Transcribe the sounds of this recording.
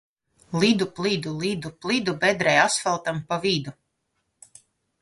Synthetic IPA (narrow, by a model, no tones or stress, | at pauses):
lˠid̪uplˠid̪ulˠid̪uplˠid̪ubɛd̪ɾɛjasfɛlˠt̪ampavid̪u